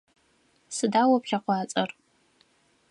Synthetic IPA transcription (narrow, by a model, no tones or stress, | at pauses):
sɨdawapχʲaqʷaːt͡sʼɐr